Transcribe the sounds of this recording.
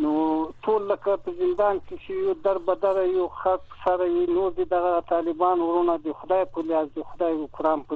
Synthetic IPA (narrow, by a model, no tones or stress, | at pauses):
noʈʰolːəkapəzɪnd̪ɑːnkesejud̪aɾbad̪aɾajuxaksaɾajinoɾd̪id̪aɣat̪ɑlɪbɑnwɾunad̪əxʊd̪ɑjpəliazd̪əxʊd̪ɑjkʊɾɑːmpə